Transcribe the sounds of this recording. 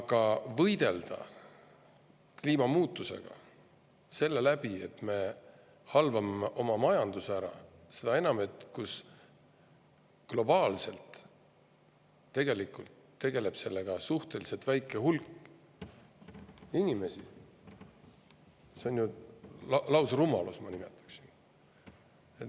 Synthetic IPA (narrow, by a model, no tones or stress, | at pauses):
ɑɡ̥ɑvɤjd̪̥e̞ld̪̥ɑ̰ | kliːmɑmuːt̪ːˑuse̞̰ɡ̥ɑ̰ | se̞lːe̞læb̥ie̞t̪me̞ | hɑlvɑmeʔo̞mɑmɑjɑnd̪̥usæɾɑ̰se̞d̪̥ɑe̞nɑme̞t̪ːˑkus | klo̞b̥ɑːlse̞lt̪ | e̞ɡ̥e̞likˑult̪ːe̞ɡe̞le̞b̥se̞lːe̞ɡ̥ɑsuht̪e̞lise̞lt̪væjkːˑe̞ɦulkːˑ | inime̞si | seo̞nju | lɑwsɑɾumɑlusmɑnime̞̰t̪ːˑɑ̥ksin | e